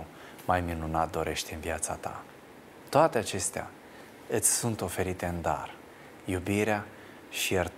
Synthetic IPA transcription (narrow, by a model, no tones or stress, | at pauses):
majminunat̪̚d̪o̞ɾʔe̞ʃt̪ɨnviat̪sat̪a̰ | t̪oat̪e̞at͡ʃe̞st̪ea̰ | ɨt̪sʲsunt̪o̞fe̞ɾit̪e̞ɨnd̪a̰r | jubiɾea | ʃijer